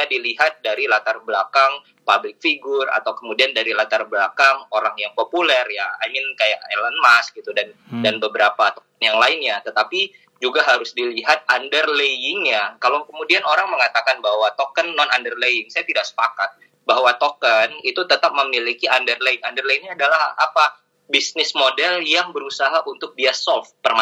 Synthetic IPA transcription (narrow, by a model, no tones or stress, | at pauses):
aadiliɦat̪̚daɾilat̪arbəlakaŋ | pablɪk̚fiɡʊra̰t̪awkəmudiandaɾilat̪arblakaŋoɾaŋjaŋpopulɛrjaa̰mɪnkajaʔelənmask̚ɡit̪udandanbəbəɾapat̪ɔkənjaŋlaɪnɲat̪ət̪api | d͡ʒuɡaɦaɾʊsdiliɦat̪̚andərlejɪŋɲakalowkəmudianoɾaŋməŋat̪akanbahwat̪okənːɔnandərlejɪŋsajat̪idaksə̥pakat̪̚ | bahwat̪okənit̪ut̪ət̪ap̚məmilikiʔandərleɪŋandərleiŋɲaadalahapa | bisnɪsmodɛljaŋbəɾusaɦaʔunt̪ʊk̚diasɔlfpərma